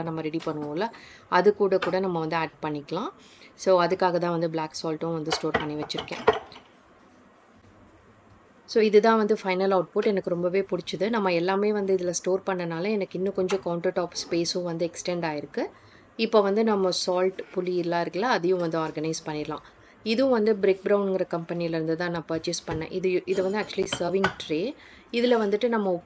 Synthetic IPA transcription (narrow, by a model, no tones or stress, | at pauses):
nɐmːɐɾɛɽipɐɳːɯʋõːɪlːɐɐðɯkːuːɽɐkuːɽɐnɐmːɐʋɐnd̪ɯaːɖ̚pɐɳːɪkːɐlãː | soːɐðɯkːaːɣɐt̪̬ãːʋɐnd̪ɯbɭlaːksaːlʈʊ̃ʋɐnd̪ɯsʈoːɾpɐɳːiʋɐt͡ʃːɪɾɯkːḛ̃ː | soːɪðɯðãːʋɐnd̪ɯfɐɪnɐlɐʊʈ̚poːʈɛnɐkːɯɾɔmbɐʋeːpʊɽɪt͡ʃːɐðɯnɐmːɐɛlːaːmeːʋɐnd̪ɯɪðɪlɐsʈoːɾpɐɳːɐnaːlɐɛnɐkːɪnːʊ̃kɔɲd͡ʒɔ̃kɐʊɳʈɐɾʈaːpspeːsʊ̃ʋɐnd̪ɯɛksʈɛɳɖaːjɪɾɯkːɯ | ɪpːoːʋɐnd̪ɯnɐmːɐsaːlʈpʊliɪlːãːɪɾɯkːɐlːaːɐðɯjʊ̃ʋɐnd̪ɯaːɾɡɐnɐɪspɐɳːɪɾɐlã̰ː | ɪðɯʊ̃ʋɐnd̪ɯbɾeːk̚bɾɐʊɳɖŋɡɪɾɐkɐmpɐnijɪlɐɾɯnd̪ɯt̪ãːnãːpɐɾt͡ʃɪspɐɳːɛ̰̃ːʔɪðɯʔɪðɯʋɐnd̪ɯæːk̚t͡ʃʊlisɐːɾʋɪŋɡʈɾeː | ɪðɪlɐʋɐnd̪ɯʈːɯnɐmːɐ